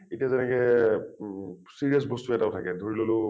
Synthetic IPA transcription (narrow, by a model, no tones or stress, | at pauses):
etijazɛnɛkɛ | siɹiɔs̬bɔstuɛtaʊtʰakɛdʱoɹilolo